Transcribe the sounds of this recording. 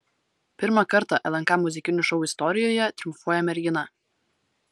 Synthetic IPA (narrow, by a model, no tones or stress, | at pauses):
pʲɪɾmɑkɐɾt̪ɑʔɛlʲˠɐŋkɑmːʊzʲɪkʲɪnʲʊʃɔʊɪst̪ɔɾʲɪjoːjɛt̪ʲɾʲʊmfuɔjɛmʲɛɾʲɡʲɪnɐ